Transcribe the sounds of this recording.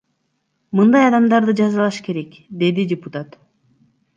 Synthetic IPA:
mɯnd̪ɑjɑd̪ɑmd̪ɑɾd̪ɯd͡ʒɑzɑlˠɑʃke̞ɾe̞k | d̪e̞d̪idʲɪput̪at̪

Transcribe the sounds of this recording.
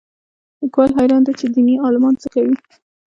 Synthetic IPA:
ləkwɑlɦajɾɑnd̪at͡ʃed̪iniɑlɪmɑnt͡səxawi

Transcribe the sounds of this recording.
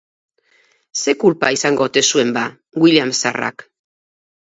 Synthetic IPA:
se̞kulpaisaŋɡo̞t̪e̞sue̞mba | ɡwiljamsara̰k

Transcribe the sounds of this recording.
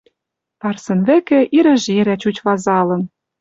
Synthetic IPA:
p̪ɑrsɤ̆nβɘ̆kĕʔiɾɘ̆ʒeɾæt͡ɕut͡ɕβɑzɑlɤ̆n

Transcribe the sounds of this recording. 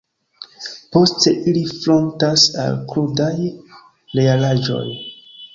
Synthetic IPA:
po̞ste̞ʔilifɾo̞ntasa̰lkɾudaj | le̞alaʒo̞̰j

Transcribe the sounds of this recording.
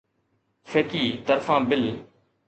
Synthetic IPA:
fʰeːkiːt̪əɾfãːbɪl

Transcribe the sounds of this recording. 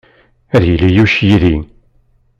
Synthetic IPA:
æðjəlːijuʃjiðin

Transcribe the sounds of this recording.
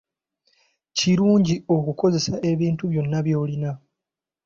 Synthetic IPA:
ciɾuːɲɟiokuko̞ze̞saʔe̞βiːntuβjo̞nːaβjo̞ːlina

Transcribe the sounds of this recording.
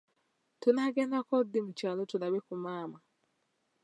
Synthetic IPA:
tunaɡeːndakodimut͡ʃalotulaβekumaːma

